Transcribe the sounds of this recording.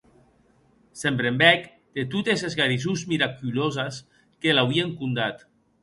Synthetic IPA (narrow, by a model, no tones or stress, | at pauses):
sempɾembɛk | d̪̥et̪ut̪ezezɣaɾizuzmiɾakylozas | kelawieŋkund̪at̪